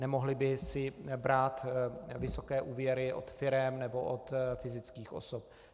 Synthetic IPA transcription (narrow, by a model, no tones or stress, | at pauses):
nɛmoɦlɪbɪsɪbɾaːt̪vɪso̞kɛːʔuːvjɛɾɪʔo̰t̪fɪɾɛmnɛbo̞ʔot̪fɪzɪt͡skiːxʔo̞̰sop̚